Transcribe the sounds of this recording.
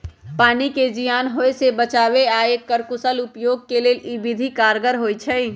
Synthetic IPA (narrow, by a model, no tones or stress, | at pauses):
paːniked͡ʒijaːnɦojsebət͡ʃabeaekːəɾkʊsəlupjoɡ̚keleːlibid̪ʱikaɾɡəɾɦojt͡ʃʰəj